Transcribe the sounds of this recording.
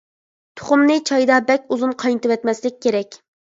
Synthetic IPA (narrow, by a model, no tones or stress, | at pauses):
t̪ʰʊ̥χʊmnɨt͡ʃʰɑjd̪ɑbɛkʲuzunqʰɑjnɨt̪ɨwɛt̪mɛslɪk̚ʲːeɾɛkʲ